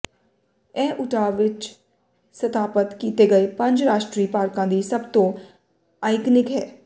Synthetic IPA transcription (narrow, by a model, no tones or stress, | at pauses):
ɛ̃ːʔʊʈʰaːʋɪt͡ʃ | sət̪aːpət̪kiːt̪eːɡəeːpə̃ɲd͡ʒɾaːʃʈɾiːpaːɾkãːd̪iːsəbt̪õː | aːɪknɪkɦɛː